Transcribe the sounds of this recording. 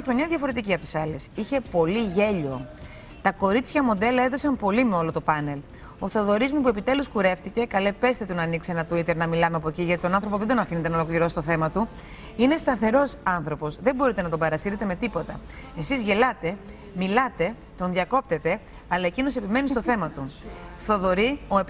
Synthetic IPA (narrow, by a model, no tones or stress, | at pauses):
ɐxɾo̞ɲɐðʝɐfo̞ɾe̞t̪iciɐpot̪i̥sɐle̞siçe̞po̞liʝe̞ʎo̞ | t̪ɐko̞ɾit̪t͡sçɐmo̞d̪e̞lɐe̞ðosɐmpo̞limeo̞lo̞t̪o̞pɐne̞l | oθoðo̞ɾizmupue̞pit̪e̞luskuɾe̞ft̪ice̞kɐlepe̞st̪e̞t̪unɐːniksenɐt̪uit̪e̞ɾnɐmilɐmeɐpo̞ciʝɐt̪it̪o̞nɐ̃nθɾo̞poðe̞d̪o̞nɐfine̞t̪enɐolokliɾo̞si̥t̪o̞θe̞mɐt̪u | ine̞st̪ɐθe̞ɾo̞sɐnθɾopo̞sðe̞mbo̞ɾit̪e̞nɐt̪̬obɐɾɐsiɾe̞t̪e̞me̞t̪ipo̞t̪ɐe̞sizʝe̞lɐt̪e̞ | milɐt̪e̞ | t̪o̞nðʝɐko̞p̚t̪e̞t̪e̞ | ɐlɐe̞cino̞se̞pime̞nist̪o̞θe̞mɐt̪uθo̞ðo̞ɾioe